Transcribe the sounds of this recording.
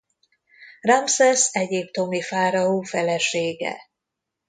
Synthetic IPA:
rɑmsɛsɛɟipt̪o̞mifaːɾɒuːfɛlɛʃeːɡɛ̰

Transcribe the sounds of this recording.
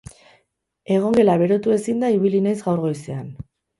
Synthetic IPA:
e̞ɣ̞o̞ŋɡe̞laβe̞ɾo̞t̪ue̞sind̪aiβ̞ilinajzɣawɾɣo̞jsean

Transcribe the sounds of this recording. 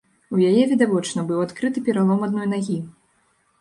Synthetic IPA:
ujajɛvʲid̪avɔt͡ʂnɐbɨwat̪kɾɨt̪ɨpʲɛɾalˠɔmad̪nɔjnaɣʲi

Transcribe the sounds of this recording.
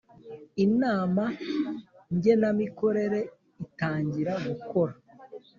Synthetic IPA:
inaːma | ɲɟe̞namiko̞ɾe̞ɾe̞ | itaːɲɟiɾaɡuko̞ɾa

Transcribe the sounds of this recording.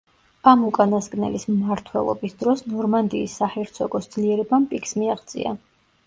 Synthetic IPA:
amukʼanasɡʼnɛ̰lismmaɾt̪ʰwɛlˠɔ̰bisd̪ɾɔsnɔɾmand̪iːsːahɛɾt̪sʰɔɡɔsd̪z̥liɛɾɛbampʼikʰsmiaʁd̪zʼḭa̰

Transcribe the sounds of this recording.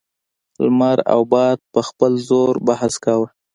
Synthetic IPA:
lmaɾa̰wbɑd̪̚pəxpəlzoɾbahaskawə

